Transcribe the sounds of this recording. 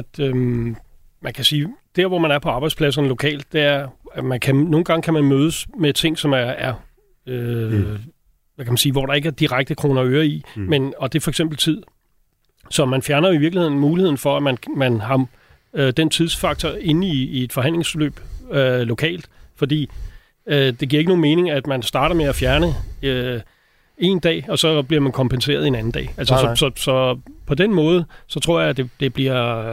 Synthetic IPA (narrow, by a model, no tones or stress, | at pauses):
æd̥ | mænkʰæsiːd̥e̝ɐʋɒmænæɐpʰɒ̽ɑ̈bɑ̈ɪd̥spʰlæs̬ɐnəlo̝kʰɛ̰ːld̥̚ːe̝æɐmænkʰæno̝ːn̩ɡ̥ɑ̈ŋkʰæmænmøːðˠsmet͡sʰe̝ŋ̰sɒ̽mææɐ | ø | ʋækʰæmænsiːʋɒɾ̥ɑ̈e̝ɡ̥əæɐd̥iʁaɡ̥̚d̥əkʰʁo̝̰ːnɐøːɐimenɒ̽d̥e̝fɒ̽eɡ̥semb̥l̩t͡sʰið̰ˠ | sɒ̽mænfjæɐnɐiʋiɐɡ̥lihe̝̰n̩muːlihe̝ð̰ˠn̩fɒ̽æmænmænɦɑ̈ | ød̥ent͡sʰið̞ˠsfɑ̈ɡ̥̚t͡sʰɒe̝n̩iːe̝d̥fɒ̽ɦæn̰le̝ŋslø̰ːb̥ølo̝kʰɛ̰ːld̥fɒ̽d̥ḭː | d̥e̝ɡ̥ḭɐe̝ɡ̥əno̝ːnme̝ːne̝ŋæd̥mænsd̥ɑ̈ːɾ̥ɐmeæfjæɐnə | e̝ːnd̥ɛ̰ːɒ̽sɒ̽b̥liɐmænkʰɒ̽mpʰense̝̰ːɐð̞ˠenæn̩d̥ɛ̰ːælsəsɒsɒ̽sɒ̽pʰɒ̽d̥enmɔ̽ːð̞̩ˠəsɒ̽t͡sʰʁo̝ɐ̰jɑ̈d̥e̝d̥e̝b̥liɐ̰